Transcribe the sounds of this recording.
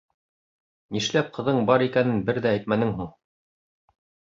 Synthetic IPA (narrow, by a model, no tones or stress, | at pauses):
niʃlæp̚qʰɤ̆ðɤɴbɑɾikænɘnbɘɾðæːjt̪mænɘŋɦuɴ